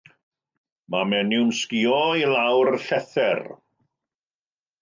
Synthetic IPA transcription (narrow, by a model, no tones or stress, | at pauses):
mamɛnɪwmskiɔilawrɬɛθɛr